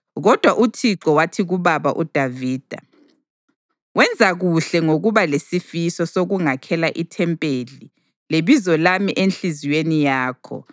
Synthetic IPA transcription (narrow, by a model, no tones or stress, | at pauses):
ɣɔd̥ʱwaʔutʰiǁɔwatʰiɣuβaβa̰ʔud̥ʱaviːd̥ʱa̰ | wɛnd͡zʱaɣuɬɛŋoɣuβalesifisɔsoɣuŋakʰɛlaʔitʰɛmpʼeli | leβizɔlamiʔenɬiziwenijaːkʰɔ̰